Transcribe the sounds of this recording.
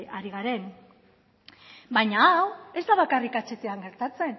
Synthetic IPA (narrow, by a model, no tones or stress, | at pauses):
aɾiɣaɾe̞n | bajɲaawe̞zd̪aβ̞akarikat͡ʃe̞t̪eaŋɡe̞ɾt̪at͡se̞n